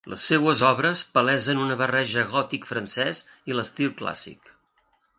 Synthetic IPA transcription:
lə̰sːewəzɔβɾəspəlɛzənunəβərɛʒəɣɔt̪ikfɾənsɛz | iləst̪ilˠkla̰sḭk

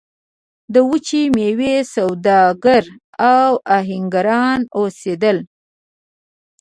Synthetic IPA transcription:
d̪əwut͡ʃimewesawd̪ɑɡaɾ | awaɦɪŋɡaɾɑnosed̪əl

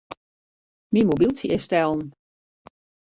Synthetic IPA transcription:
mimobilˠtiʔɪstɛlˠn̩

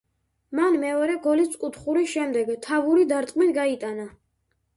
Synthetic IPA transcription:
manmɛɔɾɛɡɔlisʼkʼut̪ʰχuɾiʃɛmd̪ɛɡt̪ʰavuɾid̪aɾt̪ʼqʼmit̪ɡait̪ʼana

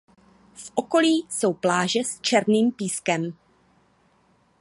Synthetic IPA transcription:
fʔo̞ko̞liːso̞wplaːʒɛst͡ʃɛɾniːmpiːskɛm

